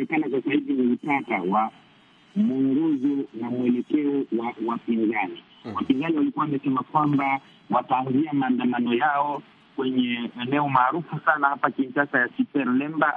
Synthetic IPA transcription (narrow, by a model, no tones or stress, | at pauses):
ɛkanas̬asahiviniutatawa | muŋɡɔzɔnamuɛlɛkɛɔwawapinzani | wapinzaniwalikuawamɛsɛmakwamba | wataːnziamaːndamanɔjaɔ | kwɛɲɛɛnɛɔmaːɾufusanahapakiɲʃasajasipɛɾlɛmba